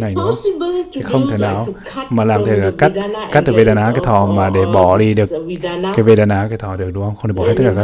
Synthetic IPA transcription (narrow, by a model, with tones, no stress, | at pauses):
na˨˩jnɨ˨˦˧t̪ʰi˨˩xə˧wŋ͡mt̪ʰe˨˧˩naː˨˩w | maː˨˩laː˨˩mt̪̚ʰlaː˨˧˩ka˦˥t̚ka˦˥t̚t̪ːve˧ɗaː˧naː˨˦kaː˨˦jt̪ʰɔ˨˩maː˨˩ɗe˧˩ɓɔ˧˩ɗi˧ɗɨ˨˩ək̚ːaː˨˦jve˧ɗaː˧naː˨˦kaː˨˦t̪ʰɔ˧˩˨ɗɨ˨˩k̚ɗu˧˦whə˧wŋ͡mxŋ͡mt̪ːɓɔ˧˨˧t̪̚klːaː˨a˦